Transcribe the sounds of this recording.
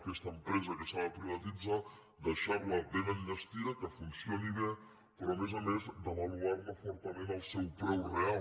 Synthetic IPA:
kɛst̪əmpɾɛzəkəsaləpɾiβət̪id͡za | d̪əʃaɾləβeβəninəst̪iəkəfunsioniβe | pɾɔəmezəmezd̪əβəluarləfɔɾt̪əmenəlˠsɛwpɾɛwrea

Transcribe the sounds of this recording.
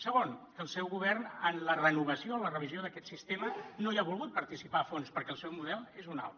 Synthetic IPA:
səɣonkəlˠsɛwɣuβɛrnənlərənuβəsioənlərəβizioðəkɛt̪sist̪emənojaβulˠɣut̪̚pəɾt̪isipaːfonspəɾkɛlˠsɛwmuðɛlˠezuna̰lˠ

